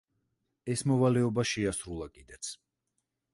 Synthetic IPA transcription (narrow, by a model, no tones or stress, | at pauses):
ɛsmɔvalɛɔbaʃɛasɾulˠakʼid̪ɛt̪sʰ